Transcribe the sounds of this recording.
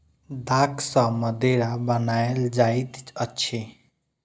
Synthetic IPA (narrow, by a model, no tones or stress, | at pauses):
d̪aksə̃məd̪eɾabənaeld͡ʒaet̪t͡ʃətːʃʰe